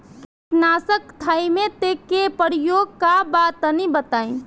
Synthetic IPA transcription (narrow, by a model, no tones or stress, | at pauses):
kɪtnaːsəkt̪ʰaːimẽt̪ekepəɽijoɡkabaːt̪ənibət̪aːĩ